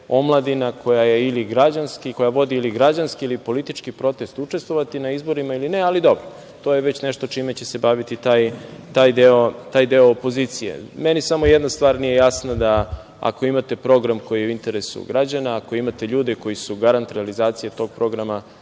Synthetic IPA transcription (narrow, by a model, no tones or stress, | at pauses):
o̞mlˠad̪inakʰo̞jaje̞iliɡɾad͡ʑanskiko̞jaʋo̞d̪iiliɡɾad͡ʑanskiilipo̞lit̪it͡ʃkipɾo̞t̪e̞st̪ut͡ʂe̞st̪vʋo̞ʋat̪inaizbo̞ɾimailinealid̪o̞bɾo | t̪o̞jeʋe̞t͡ɕneʃt̪o̞t͡ʃiːmet͡ɕese̞baʋit̪it̪aːjt̪aːjd̪eo̞t̪aːjd̪eoːpo̞zit̪sije̞̰menisamo̞jed̪nast̪ʋaːɾnije̞jasnad̪a | a̰ko̞imat̪e̞pɾo̞ɡɾamko̞jijeuint̪e̞ɾe̞sṵɡɾad͡ʑanaːko̞imat̪e̞ʎuːd̪eko̞jisuɡaɾant̪ɾealizaːt̪sije̞t̪o̞ɡ̚pɾo̞ɡɾama